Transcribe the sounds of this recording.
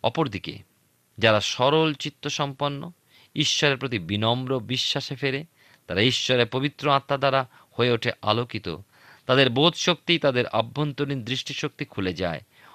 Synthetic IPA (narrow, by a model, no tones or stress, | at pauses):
ɔ̰poɾd̪ʱikḛ | d͡ʑaɾaʃɔɾolt͡ɕit̪ːoʃɔmponːo | iʃːɔɾeɾpɾot̪̬ibinɔmɾobiʃːaʃefeɾe | t̪aɾaiʃːɔɾeɾpobit̪ːɾoat̪ːad̪aɾa | hoeoʈʰeʔa̰lokit̪o̰ | t̪ad̪eɾbod̪ʃok̚t̪ijt̪ad̪eɾa̰bʱːont̪onind̪ɾiʃʈiʃok̚t̪ikʰuled͡ʑa̰e